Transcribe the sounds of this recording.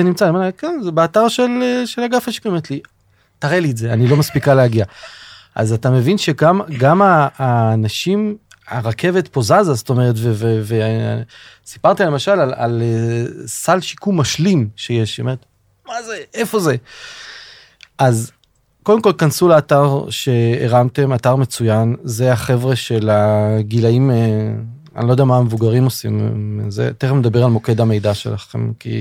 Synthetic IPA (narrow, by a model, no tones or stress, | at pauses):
enimt͡salemanakenzebeataʁʃeleʃelaɡafaʃi̥kumt̪li | taʁeliːtze̞anilo̞maspikaleaɡia | ʔa̰zatame̞vinʃeɡamɡamaːnaʃim | a̰ʁakʰe̞ve̞t̪po̞zazasto̞meʁet̬vevevḛ | si̥paʁt̪ialemaʃalala̰lesalʃi̥kumːaʃlimʃejeʃome̞et̪ | mazeʔefo̞ze | ʔaz | ko̞demko̞lkansulaːtaʁʃe̞̰ːʁamte̞mataʁme̞t͡sujanzeaχe̞vʁeʃe̞laɡilaim | a̰nilodeɛamamevuɡaʁimo̞sḭmzḛt̪eχemed̪abe̞ʁalmo̞ke̞d̪ame̞jdaʃela̰χe̞̰mkḭ